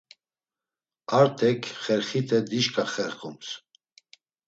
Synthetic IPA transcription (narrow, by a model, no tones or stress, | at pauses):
aɾt̪ʰɛkʰχɛɾχit̪ʰɛd̪iʃkʰʼaχɛɾχums